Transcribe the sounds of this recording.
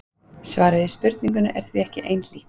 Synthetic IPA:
svaːɾɪðɪspʏɾt̪niŋk̬ʏnʏʔɛɾ̥θviɛhcɪʔejnliːt̪

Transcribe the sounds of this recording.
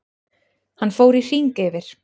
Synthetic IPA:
hanfoːwɾir̥iŋkɪːvɪɾ̥

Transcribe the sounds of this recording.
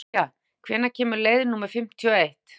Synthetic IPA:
a | kʰvɛːnacʰɛːmʏleːjðɪnuːmaɾ̥fɪm̥t̪ʰjɔejht̪

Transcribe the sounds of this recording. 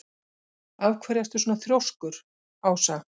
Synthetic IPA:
avkʰvaːɾjast̪ʏsoːnaθɾjowskʏɾ̥ | aːwsa

